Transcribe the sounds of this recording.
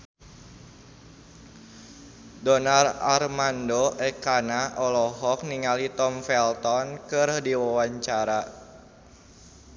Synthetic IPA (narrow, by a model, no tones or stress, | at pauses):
dɔnararmandoʔɛkanaʔɔlɔɦɔk̚niŋalit̪ɔmfɛlt̪ɔnkɨrdiwawaɲt͡ʃaɾa